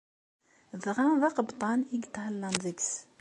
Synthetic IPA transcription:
ðʁaðɑqəbt̪ˤɑniɡt̪həlːənðəɡs

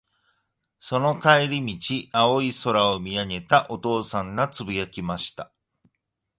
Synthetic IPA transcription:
so̞no̞kaeɾʲimʲit͡ɕiao̞iso̞ɾaomʲiaŋe̞t̪aʔo̞t̪o̞ːsãnːat͡sɨbijakʲimaɕi̥t̪a

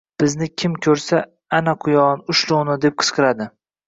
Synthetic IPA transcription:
b̥ɪznɪkʲʰɪmkʲʰɵɾsa | anaqʰʊjɒnʊʃlˠʊwnɪd̪e̞p̚qʰɨ̥sqʰɨɾad̪ɪ

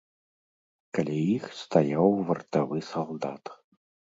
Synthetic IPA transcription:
kalʲɛjixst̪ajawvɐrt̪avɨsalˠd̪at̪

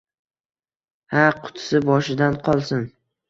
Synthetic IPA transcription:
haqʰʊ̥t̪ʰsɪbɒʃɪd̪anqʰɒlˠsɪn

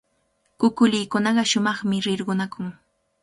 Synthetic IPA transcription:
kʊkʊlɪjkʊnɑɢɑʃʊmɑχmɪɾɪɾɢʊnakʊŋ

